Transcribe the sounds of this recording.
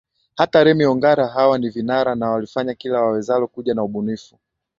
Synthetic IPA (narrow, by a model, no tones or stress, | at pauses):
hataɾɛmiɔŋɡaɾaɦawanivinaɾanawalifaɲakilawawɛzalɔkuʄanauɓunifu